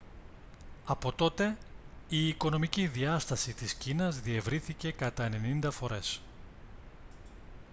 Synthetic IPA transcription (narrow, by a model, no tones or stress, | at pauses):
ɐpo̞t̪o̞t̪e̞iːko̞no̞miciðiɐst̪ɐsit̪iscinɐzðie̞vɾiθice̞kɐt̪ɐe̞ne̞nind̪ɐfo̞ɾe̞s